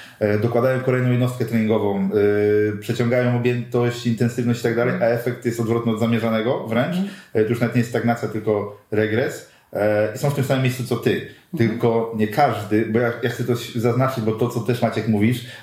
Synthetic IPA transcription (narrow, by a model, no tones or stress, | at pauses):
d̪ɔkwad̪ajɔ̃w̃kɔlɛjnɔ̃jɛd̪nɔst̪kɛt̪ɾɛɲiŋɡɔvɔ̃w̃ | pʂɛt͡ɕɔ̃ŋɡajɔ̃w̃ɔbʲjɛnt̪ɔɕt͡ɕint̪ɛnsɘvnɔɕt͡ɕi̥t̪aɡ̚d̪alɛjaɛfɛk̚t̪jɛst̪ɔd̪vɾɔt̪nɨɔd̪zamʲjɛʐanɛɡɔvɾɛnt͡ʂt̪ɔjuʂnavɛt̪ɲejɛt̪t̪aɡnat̪sjat̪ɘlkɔɾɛɡɾɛs | isɔ̃wft̪ɘmsamɘmʲjejst̪sut̪sɔt̪ɘt̪ɘlkɔɲɛkaʐd̪ɘbɔjajaxsɛt̪ɔɕzaznat͡ʂɘd͡ʑbɔt̪ɔt̪sɔt̪ɛʂmat͡ɕjɛkmuvʲiʂ